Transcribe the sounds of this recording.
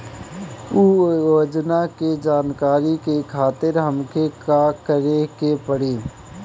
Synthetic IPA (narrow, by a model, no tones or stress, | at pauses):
ujoːd͡ʒnaked͡ʒaːnkaːɾikekʰaːt̪ɪɾɦəmkekakəɾekepəɽeː